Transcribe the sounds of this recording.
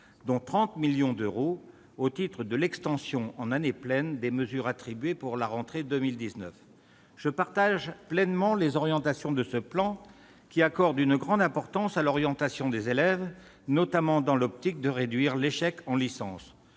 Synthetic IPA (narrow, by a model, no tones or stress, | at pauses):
d̪ɔ̃t̪χɑ̃t̪miljɔ̃d̪øʁo | ot̪it̪χəd̪əlɛkst̪ɑ̃sjɔ̃ɑ̃naneplɛnd̪eməzyʁat̪χibɥepuʁlaʁɑ̃t̪χed̪ømild̪iznəf | ʒ̥əpaʁt̪aʒplɛnmɑ̃lezɔʁjɑ̃t̪asjɔ̃d̪əsəplɑ̃ | kʲiakɔʁd̪ynɡʁɑ̃d̪ɛ̃pɔʁt̪ɑ̃salɔʁjɑ̃t̪asjɔ̃d̪ezelɛv | nɔt̪amɑ̃d̪ɑ̃lɔp̚t̪ik̚d̪əʁed̪ɥiʁleʃɛkɑ̃lisɑ̃s